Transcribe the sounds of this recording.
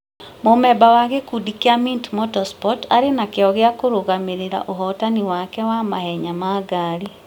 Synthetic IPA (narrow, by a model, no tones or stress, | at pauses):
momɛbawaɣekudikiamintmɔtɔspɔta̰ɾenakeɔɣjakoɾoɣameɾeɾa̰ʔoɦɔtaniwakɛwamahɛɲamaɡaɾi